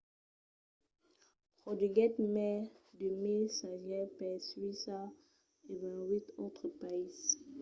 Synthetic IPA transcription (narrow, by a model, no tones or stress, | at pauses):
pχodiɡɛt̪mɛd̪əmesaʒjɛpɛsɥisa | evɛ̃wit̪ot̪χəpais